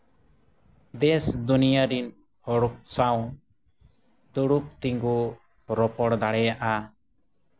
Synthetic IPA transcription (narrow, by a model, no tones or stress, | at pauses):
d̪ɛsd̪unijaɾin | hɔɽɔk̚saw̃ | d̪uɽuk̚t̪iŋɡu | ɾɔpɔɽd̪aɽɛjaʔa